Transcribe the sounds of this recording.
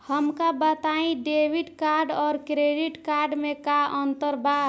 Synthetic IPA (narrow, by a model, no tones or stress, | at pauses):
həmkabət̪aĩɖeʋiʈkaɾɖɔːɾkɾeɖiʈkaɾɖmẽkaənt̪əɾba